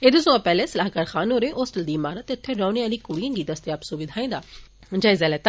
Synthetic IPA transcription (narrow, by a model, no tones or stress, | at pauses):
eːd̪osõapɛːleːsɐlaːɦkaːɾxaːnɦoːɾeʔoːsʈəld̪iːɪmaːɾət̪ːeʊt̪ʰːeɾaːneaːliːkʊɽijə̃ŋɡiːd̪əst̪ɪjaːpsuʋɪd̪ʱaːẽːd̪aː | d͡ʒaːɪzɛːlɛːt̪